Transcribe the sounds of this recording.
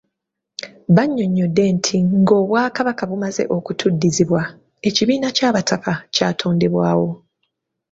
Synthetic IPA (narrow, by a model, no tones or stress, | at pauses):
βaɲːo̞ɲːo̞dːe̞ntʰiŋɡo̞ːβwaːkaβakaβumaze̞̰ʔo̞kutʰudːiziβwa | e̞ciβiːnacaːβatʰakacaːtʰo̞ːnde̞βwaːwo̞